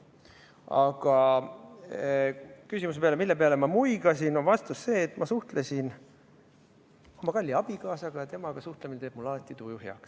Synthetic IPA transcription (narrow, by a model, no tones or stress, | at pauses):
ɑ̰ɡ̥ɑ | kysʲimus̬epeɑle̞milːe̞peɑlemɑmujɡɑs̬inonvɑst̪usːe̞ːt̪ːˑmɑsuht̪lesʲin | o̞mːɑkɑlʲːiɑb̥ikɑːsɑɡ̥ɑjɑt̪e̞mɑɡ̥ɑsuht̪leminet̪eːb̥̚mulɑːt̪ːˑit̪ujuɦjɑ̰ks